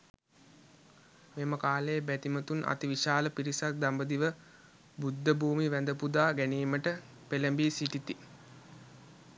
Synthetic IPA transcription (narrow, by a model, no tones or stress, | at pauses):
meːməkaːleːbæt̪imət̪unʔa̰t̪iʋiʃaːləpiɾisak̚d̪ambəd̪iʋə | bud̪ːəbuːmiʋænd̪əpud̪aːɡæniːməʈə | peləmbiːsiʈit̪i